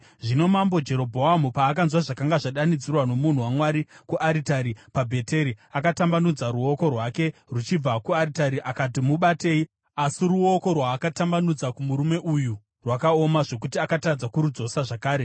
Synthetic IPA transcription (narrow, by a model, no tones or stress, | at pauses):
ʐino̞mambo̞d͡ʒe̞ɾo̞bʱo̞amupaːk̬anzwaʐakaŋɡaʐaɗanid͡zirwano̞mun̤uwamwaɾikuʔaɾitaɾipabʱe̞te̞ɾiakatambanud͡zaɾuo̞ko̞rwake̞rut͡ʃib͡vakuaɾitaɾiʔakatimuɓate̞ːi | asiɾuo̞ko̞rwaːkatambanud͡zakumuɾume̞ʔuju | rwakao̞maʐo̞kutiakatad͡zakuɾud͡zo̞saʐakaːɾe̞